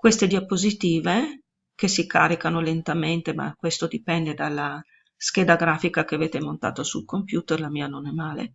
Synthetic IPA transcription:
kwest̪ed̪iapːozit̪iːve | kesika̰ːɾikanolent̪ament̪ema̰kːwest̪od̪ipɛnd̪ed̪alːa | sk̟eːd̪aɡɾaːfikakeaveːt̪emont̪a̰ːt̪osulkompjuːt̪erlamiːanonɛmaːlḛ

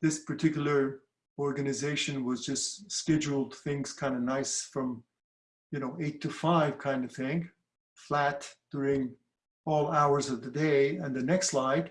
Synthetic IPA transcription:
ðɪspʰə˞tʰɪkjl̩ˠə˞ | ɔɹɡɨnɨzeɪʃɨ̃nwʌzd͡ʒʌstskɛd͡ʒul̩ˠd̚θɪ̃ŋz̥kʰãɪ̃ndɨnaɪsfɹʌ̃m | jɨnoʊʔeɪtʰɨfaɪv̥kʰãɪ̃ndʌv̥θɪ̃ŋ | flætd̥ʊɹɪ̃ŋ | ɔlˠaʊə˞zʌvðɨdeɪɨ̃nðɨnɛkstlaɪd̥

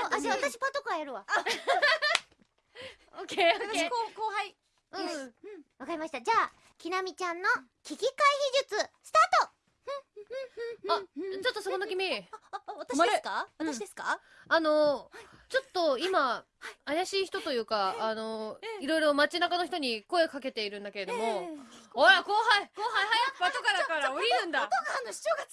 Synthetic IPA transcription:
aaβat̪aɕi̥pat̪okoajaɾɯ̟βa | okeookoːɦai | ɯ̟̃βakaɾʲimaɕi̥t̪ad͡ʑaː | kʲinamʲit͡ɕãnːo̞ | kʲikʲikaiçiʑɨt͡sɨsɨ̥t̪aːt̪o | at͡ɕo̞t̪ːo̞sononokʲimʲeat̪aakaβat̪aɕid̪esɨ̥ka | ano̞t͡ɕo̞t̪ːoimaː | jaɕiːçi̥t̪o̞t̪o̞jɯ̟ːkaːno̞iɾo̞iɾo̞mat͡ɕinakanoçi̥t̪o̞ɲ̟iko̞e̞okake̞t̪e̞iɾɯ̟̃nd̪ake̞ɾe̞d̪o̞mo̞ojakoːɦaikoːɦaiɦajakbat̪okaɾakaɾaoɾʲinɯ̟̃nd̪aɡn̥t͡ɕoːɡa

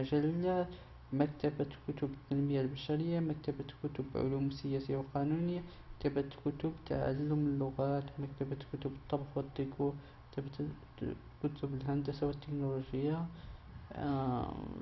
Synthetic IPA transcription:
mʒælːæ | mæk̚t̪æbæt̪kʊt̪ʊbət̪ːænməjalbæʃæɾəjːamæk̚t̪æbæt̪lkʊt̪ʊbʕʊ̰lumsəjæsəjawqɑnunəjːa | kt̪æbæt̪kʊt̪ʊbt̪a̰ʕa̰lːʊməlːʊɣæt̪mæk̚t̪æbæt̪kʊt̪ʊbt̪ˤːɑbxwət̪ˤːiku | k̚t̪æbæ | kʊt̪ʊbəlhænd̪əsawət̪ːəknoloʒəjːa

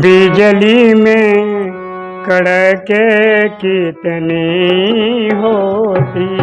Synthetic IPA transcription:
bid͡ʒəlimẽ | kəɽəkekit̪ni | ɦoːt̪i

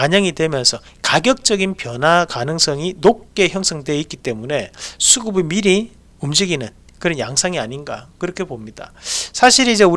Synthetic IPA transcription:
aɲʌŋidwe̞mjʌnsʰʌ | kaɡjʌk̚t͡ɕ͈ʌɡinpjʌnɦakanɯŋs͈ʰʌŋinop̚k͈e̞çjʌŋsʰʌŋdwe̞it̚k͈it͈e̞mune̞sʰuɡubemiɾi | umd͡ʑiɡinɯn | kɯɾʌnjaŋsʰaŋiaɲinɡa̰kɯɾʌkʰe̞bomɲida̰sʰaɕʰiɾid͡ʑe̞u

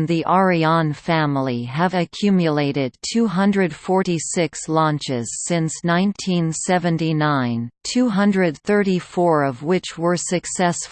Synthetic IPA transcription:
nðiʔɑɹiɑ̃nfæ̃ml̩ˠiɨvɨkʰj̥ʉmjɨleɪɾɪd̚tʰʉɦʌ̃ndɹɨd̥fɔɹɾisɪkslɑ̃nt͡ʃɪz̥sɪ̃nsnãɪ̃ntʰĩnsɛvɨ̃ntinãɪ̃ntʰʉɦʌ̃ndɹɨd̪̚θɜ˞ɾifɔɹʌvwɪt͡ʃwə˞sɨksɛsf

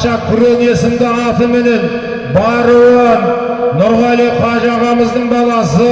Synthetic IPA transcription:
ʃɑkʲʰʏɾene̞sɪmd̪ɪɑt̪əmɪne̞n | bɑɾəwɑ | nʊɾʁɑleqʰɑʒɑʁɑməzd̪əɴbɑlˠɑsə

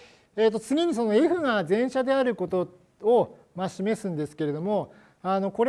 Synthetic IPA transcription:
e̞ːt̪ːo̞t͡sɨɡʲiɲ̟iso̞no̞eɸɯ̟ŋazẽ̞ɰ̃ɕad̪e̞aɾɯ̟ko̞t̪o̞ | o | maɕime̞sɨ̃nd̪e̞sɨ̥ke̞ɾe̞d̪o̞mo̞ | ano̞ko̞ɾe

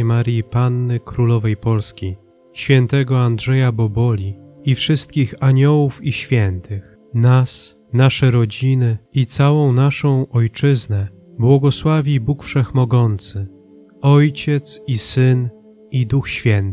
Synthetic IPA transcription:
maɾjipanːɘkɾulɔvɛjpɔlskʲi | ɕfʲjɛnt̪ɛɡɔandʐɛjabɔbɔlʲiifʂɘst̪̚kʲixaɲɔwufiɕfʲjɛnt̪ɘx | nas | naʂɛɾɔd͡ʑinɘit̪sawɔ̃w̃naʂɔ̃w̃ʔɔjt͡ʂɘznɛ | bwɔɡɔswavʲibukfʂɛxmɔɡɔnt̪sɘ | ɔjt͡ɕɛt̪sisɘn | id̪uxɕfʲjɛnt̪

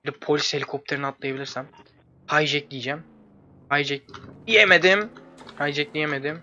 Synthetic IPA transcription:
lɛpʰo̞lʲishe̞lʲikʰo̞p̚t̪ʰeɾinat̪lˠajabilʲiɾsæm | hajd͡ʒɛk̚lʲijd͡ʒæm | hajd͡ʒɛc̚ijemed̪ɪmhajd͡ʒɛclʲijemed̪ɪm

